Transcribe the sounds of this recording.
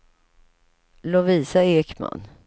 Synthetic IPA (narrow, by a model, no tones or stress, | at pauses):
lɔviːsaeːkma̰n